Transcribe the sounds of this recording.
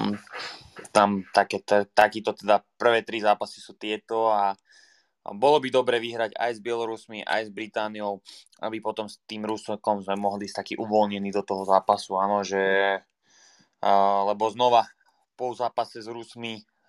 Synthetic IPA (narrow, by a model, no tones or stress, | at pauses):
t̪amt̪akɛːt̪ɛt̪akiːt̪ɔt̪ɛd̪apr̩ʋɛːt̪ɾizaːpasi̥suːt̪ɪɛt̪ɔa | bɔlɔbid̪ɔbɾɛːʋiɦɾaɟa̰jzbɪɛlɔɾusmiʔa̰jzbɾit̪aːnijɔʊʔa̰bipɔt̪ɔmst̪iːmɾuskɔmzmɛmɔɦliːst̪akiʔuʋɔlɲɛniːd̪ɔt̪ɔɦɔzaːpasuaːnɔʒɛ | lɛbɔznɔʋa | pɔzaːpasɛzɾusmi